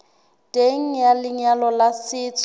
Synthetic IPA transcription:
tʼeŋ̩jalɪɲalɔlasɪːt͡sʰʼɔ

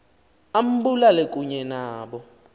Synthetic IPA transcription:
am̩bulalek̬ʼuɲɛnaːɓɔ

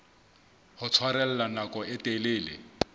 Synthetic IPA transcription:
hʊt͡sʰwaɾɛl̩lanakʼɔɪtʼelɪːlɪ̰

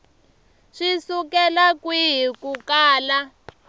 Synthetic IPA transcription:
ʂisukɛlakwiɦikukaːla

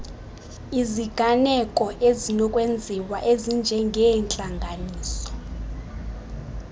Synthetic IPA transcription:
iziɡ̥ʱanɛkʼɔʔezinɔkʼwend͡zʱiwaʔezind͡ʒʱɛŋɡʱɛnt͡ɬʼaŋɡʱaniːsɔ̥

